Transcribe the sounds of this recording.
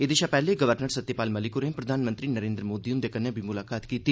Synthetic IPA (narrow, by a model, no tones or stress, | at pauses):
ed̪ɪʃapɛːleɡəʋəɾnəɾsət̪ːepaːlməlɪkʊɾẽpɾəd̪ʱaːnmənt̪ɾiːnəɾẽːnd̪ɾəmoːd̪iʊnd̪eːkənːebʱimʊlaːkaːt̪kiːt̪i